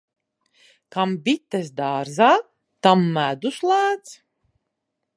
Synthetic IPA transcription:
kambʲit̪ːɛs̬d̪aːɾzaː | t̪amːæd̪uslˠæːt̪s

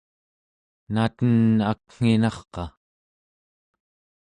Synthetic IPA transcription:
nat̪ənak̚ŋ̥inɑχqɑ

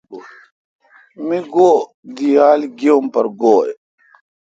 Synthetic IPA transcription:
miɡoː | d̪ijaːlɡiumpɐɾɡoːɛ

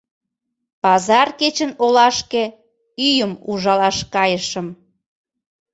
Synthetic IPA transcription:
pɑzɑrket͡ɕənolɑʃke | yjəmuʒɑlɑʃkɑjəʃəm

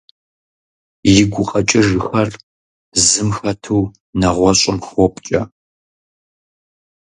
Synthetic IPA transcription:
jɪɡʷʊqʼɐt͡ʃʼɐʒɨxɐr | zɨmxɐtʰuː | nɐʁʷɔɕʼɪmxɔpʼt͡ʃʼɐ

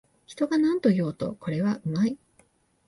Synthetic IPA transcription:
çi̥t̪o̞ɡanãnt̪o̞jo̞ːt̪o̞̰kʰo̞ɾe̞βaɯ̟mai

